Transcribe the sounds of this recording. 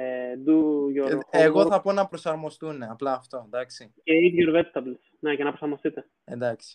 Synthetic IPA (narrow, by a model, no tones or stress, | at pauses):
d̪uʝoxeɣo̞θɐpo̞nɐpɾo̞sɐɾmo̞st̪une̞ɐplɐːft̪o̞end̪ɐksi | ceiðjoɾvet̪t̪ɐbls | necenɐpɾosɐɾmost̪it̪e̞ | end̪ɐksi̥